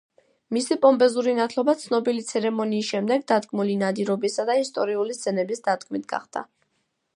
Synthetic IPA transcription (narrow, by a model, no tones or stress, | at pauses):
misipʼɔmbɛzuɾinat̪ʰlˠɔbat̪sʰnɔbilit̪sʰɛɾɛmɔniːs̬ʃɛmd̪ɛɡ̚d̪ad̪ɡmulinad̪iɾɔbisad̪aist̪ʼɔɾiulist̪zɛnɛbisd̪ad̪ɡʰmit̪̚ʰɡa̰χd̪̥a̰